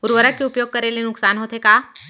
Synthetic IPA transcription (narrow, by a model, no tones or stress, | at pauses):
ʊɾʋəɾəkeʊpjoːɡ̚kɐɾelenʊksaːnɦoːt̪ɦekaː